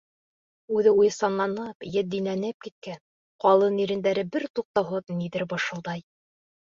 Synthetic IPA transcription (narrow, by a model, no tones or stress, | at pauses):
ʉðɘujɤsɑnlˠɑnɤpjɘd̪inænɘp̚kit̪̚kæn | qɑlˠɤniɾɘ̆nd̪æɾɘbɘɾt̪uq̚t̪ɑwɦɤðniðɘɾbɤ̆ʃɤ̆lˠd̪ɑj